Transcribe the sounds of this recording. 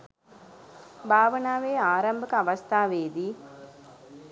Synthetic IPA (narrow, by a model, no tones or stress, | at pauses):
bʱaːʋɐnaːʋeːaːɾɐmbʱɐkɐɐʋɐst̪ʰaːʋeːd̪i